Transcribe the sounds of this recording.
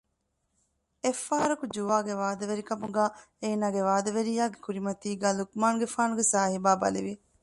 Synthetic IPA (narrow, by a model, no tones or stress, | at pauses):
efːaːɐɾɐkud͡ʒuʋaːɡeʋaːd̪ɐʋeɾikɐmuɡaː | eːnaːɡeʋaːd̪ɐʋeɾijaːɡekuɾimɐt̪iːɡaːlukmaːnɡefaːnuɡesaːɦibaːbɐ̰liʋi